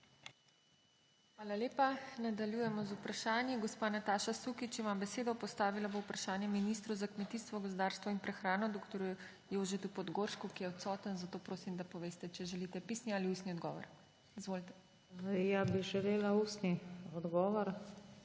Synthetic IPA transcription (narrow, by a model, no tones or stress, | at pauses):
xʋaːlaleːpanad̪aljujɛmɔzupɾaʃaːnjiɡɔspaːnat̪aːʃasukit͡ʃimambɛseːd̪ɔpɔst̪aːʋilaboupɾaʃaːnjɛminist̪ɾuzakmɛt̪iːst̪ʋɔɡozd̪aːɾst̪ʋɔinpɾɛxɾaːnɔd̪oːkt̪ɔɾu | joːʒɛt̪upɔd̪ɡoɾʃkukijɛɔt̪sɔːt̪ənzat̪oːpɾoːsimd̪apɔʋeːst̪ɛt͡ʃɛʒɛlit̪ɛpiːsnialiust̪niɔd̪ɡɔ̰ːʋɔ̰ɾ | izʋoːlit̪ɛ̥ | jabiʒɛleːlaust̪niɔd̪ɡɔːʋɔɾ